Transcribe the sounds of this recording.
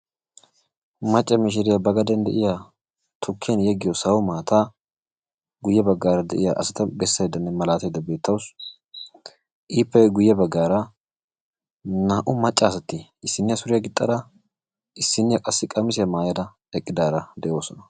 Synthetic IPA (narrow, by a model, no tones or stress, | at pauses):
mɐt͡ʃʼːɐmɪʃ̬ɪɾɪjɐbɐɡɐd̪ɐnd̪ɛ̰ʔɪja | t̪ʰʊkʰːɪjɐnjɛɡɪjɔsɐwʊmaːt̪ʰa | ɡʊjːɛbɐɡːaːɾɐd̪ɛ̰ʔɪjaʔɐsɐt̪ɐbɛsːɐjd̪ːɐnːɛmɐlaːt̪ɐjd̪ːɐbe̞ːt̪ʰːɐwʊs | ʔiːpːɛɡʊjːɛbɐɡːaːɾɐ | naːʔʊmɐt͡ʃʼːɐːsɐt̪ːiɪsːɪnːɪjɐsʊɾɪjɐɡɪt̪ʼːɐd̪ɐ | ʔɪsːɪnːɪjɐkʼɐsːɪkʼɐmɪs̬ɪjɐmaːjɐd̪ɐ | ɛkʼːɪd̪aːɾɐd̪ɛʔo̞ːsɔnɐ